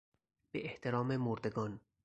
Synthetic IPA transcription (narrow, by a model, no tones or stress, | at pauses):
b̥eʔeht̪ʰeɾɒːmemoɾd̪eɡɒːn